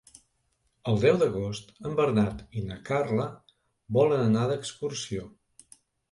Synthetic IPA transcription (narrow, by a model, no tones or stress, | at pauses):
əlˠd̪ɛwd̪əɣost̪əmbəɾnat̪inəkarlə | βɔlənənaðəkskursio